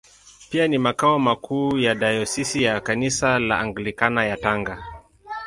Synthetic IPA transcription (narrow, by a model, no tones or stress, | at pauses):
pianimakaɔmakʰuːjadajɔsisijakanisala̰aŋɡlikanajataŋɡa